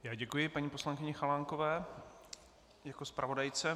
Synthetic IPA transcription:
jaːɟɛkujɪpaɲiːpo̞slaŋkɪɲɛxalaːŋko̞vɛː | jakospɾʔavo̞dajt͡sɛ

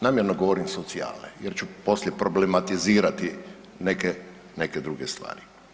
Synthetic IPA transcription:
naːmjeɾnoɡoʋoɾimsot̪sia̰ːlnḛjeɾt͡ʃupo̞slʲjepɾoblemat̪iziːɾat̪i | neke | neked̪ɾuɡest̪ʋa̰ːɾi

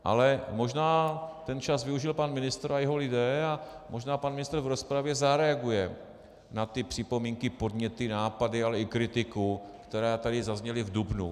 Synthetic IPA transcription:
ʔa̰lɛmo̞ʒnaːt̪ɛnt͡ʃazvɪuʒɪlpanmɪnɪst̪ɾajɛɦo̞lɪdɛːamʔo̞ʒnaːpanmɪnɪst̪r̩vɾo̞spɾavjɛzaɾɛaɡujɛ | nat̪ɪpr̝̥ɪpo̞miːŋkɪpo̞dɲɛt̪ɪnaːpadɪalɛɪkɾɪt̪ɪkukt̪ɛɾaːt̪adɪzazɲɛlɪvdubnṵ

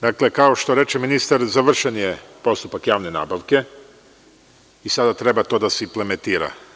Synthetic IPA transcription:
d̪akle̞kao̞ʃt̪o̞ɾe̞t͡ʃeminist̪aɾzaʋr̩ʃenjepo̞st̪upakjaːʋne̞na̰ːbaʋke̞ | isad̪at̪ɾe̞bat̪o̞d̪aseimplement̪iːɾa̰

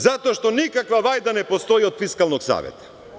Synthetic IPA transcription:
zat̪oaʃt̪ɔnikakvavajd̪anɛpɔst̪ɔiɔt̪fiskalˠnɔksa̰vɛ̰t̪

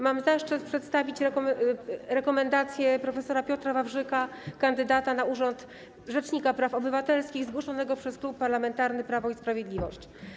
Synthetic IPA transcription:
mamzaʂt͡ʂɘt̪pʂɛt̪st̪avʲit͡ɕɾɛɔɾɛkɔmɛnd̪at̪sʲjɛpɾɔfɛsɔɾapʲjɔt̪ɾavavʐɘkakand̪ɘd̪at̪anauʐɔnt̪ | ʐɛt͡ʂɲikapɾafɔbɘvat̪ɛlskʲiɣzɡwɔʂɔnɛɡɔpʂɛsklupːaɾlamɛnt̪aɾnɘpɾavɔispɾavjed̪lʲivɔ̰ɕt͡ɕ

